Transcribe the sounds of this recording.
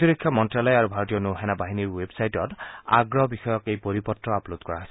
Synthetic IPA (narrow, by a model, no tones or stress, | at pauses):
tiɹikʰːamɔntɹalɔjaɹubʱaɹotijɔnuɦɛnabaɦiniɹwebsajtɔta̰ɡɹɔbixɔjɔkejpoɹipɔtɹɔaplodkɔɹaɦsɛ